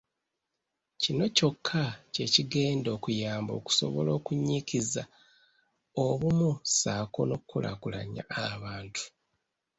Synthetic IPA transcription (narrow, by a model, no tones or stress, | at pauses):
cino̞co̞kʰːace̞ciɡe̞ːndo̞ːkujaːmbo̞̰ːku̥so̞̰βo̞̰lo̞ːkuɲikiza | oβumusaːko̞no̞kkːula̰kula̰ɲa̰ːβaːntʰu̥